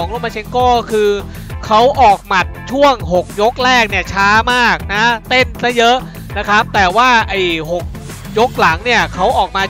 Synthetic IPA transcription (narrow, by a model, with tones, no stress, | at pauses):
ŋloː˧˥˩maː˧t͡ɕʰe˧ŋkɔː˥˩kʰɯː˧ | kʰa˦˥wʔɔː˨˩k̚ma˨˩t̪̚t͡ɕʰu˥˩əŋɦo˨˩k̚jo˦˥k̚ɾɛː˥˩k̚ni˦˥˩ɐt͡ɕʰaː˦˥maː˥˩k̚na˦˥t̪e˥˩nsa˦˥jɤ˦˥ʔ | na˦˥kʰɾa˦˥p̚t̪ɛː˨˩waː˥˩ʔa˧˩jho˨˩k̚ | jo˦˥k̚la˩˦ŋni˥˩ɐkʰa˦˥wʔɔː˨˩k̚maː˧